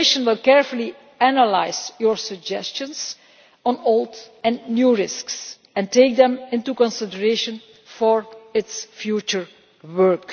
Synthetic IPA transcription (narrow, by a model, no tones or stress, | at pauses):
ɪʃə̃nwɪlˠkɛɹfʊli | ænəla̰ɪzjɔɹsəɡd͡ʒɛst͡ʃə̃ns | ɔ̃nolˠdɛ̃nnjuːɹɪsks | ɛ̃nteɪk̚d̪ɛ̃mɪ̃ntukɔ̃nsɪdəɹeʃə̃n | fɔɹɪtsfjut͡ʃəɹ | wɜɹk